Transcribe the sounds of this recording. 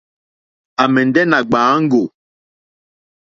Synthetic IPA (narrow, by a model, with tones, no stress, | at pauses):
a˨mɛ˨n˨dɛ˦na˨ɡ͡baː˨˦ŋ̩˦ɡo˨